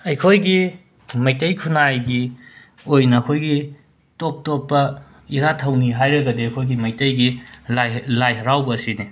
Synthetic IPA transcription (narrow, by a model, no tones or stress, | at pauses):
ɐjkʰojɡi | mɐjtɐjkʰunajɡi | ojnɐːkʰojɡi | top̚topːɐ | iɾatʰɐwniɦajɾɐɡɐdiɐkʰojɡimɐjtɐjɡilalajɦɐɾawbɐːsini